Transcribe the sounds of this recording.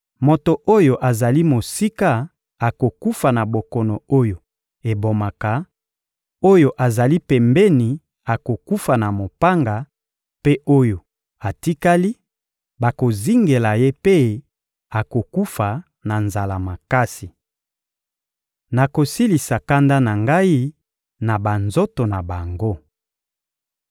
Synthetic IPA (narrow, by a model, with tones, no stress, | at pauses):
mo˨to˨ʔo˦jo˨ʔa˨za˨li˦mo˨si˦ka˦ | a˨ko˨ku˦fa˨na˨bo˨kɔ˨nɔ˨o˦jo˨ | e˨bo˨ma˨ka˨ | o˦jo˨ʔa˨za˨li˦pɛ˨mbɛ˦ni˨ | a˨ko˨ku˦fa˨na˨mo˨pa˦ŋɡa˨ | pe˦ʔo˦jo˨ | a˨ti˦ka˦li˦ | ba˨ko˨zi˦ŋɡe˨la˨je˦pe˦ | a˨ko˨ku˦fa˨ | na˨nza˨la˨ma˨ka˦si˨ | na˨ko˨si˦li˨sa˨ka˦nda˦na˨ŋɡa˦i˦ | na˨ba˨nzo˦to˨na˨ba˨ŋɡo˦